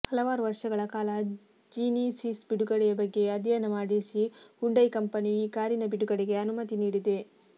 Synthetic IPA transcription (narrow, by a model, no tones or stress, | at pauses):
hɐlɐʋaːɾuʋɐɾʂɐɡɐɭɐkaːlɐ | d͡ʒiːnisisbiɽuɡɐɽɛjɐbɐɡːe̞ɐd̪ʱjɐnɐmaːɽisihuɳɖɐjkɐmpɐnijiːkaːɾinɐbiɽuɡɐɽeɡe̞ɐnumɐt̪iniːɽid̪e̞